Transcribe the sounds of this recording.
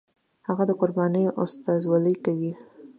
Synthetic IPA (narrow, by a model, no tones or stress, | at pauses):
haɣad̪əqʊɾbɑnəjoʔʊst̪ɑzwɑləjkawi